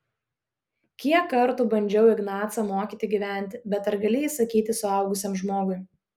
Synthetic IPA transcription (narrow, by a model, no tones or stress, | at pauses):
kʲiɛkːɐɾt̪uːbɐnʲd͡ʒʲɛʊɪɡnɑːt̪sɑmoːkʲiːt̪ʲɪɡʲiʋʲæˑnʲt̪ʲbʲɛt̪ɐɾɡɐlʲɪisɐkʲiːt̪ʲɪsʊɐˑʊɡʊsʲiɛmʒmoːɡʊɪ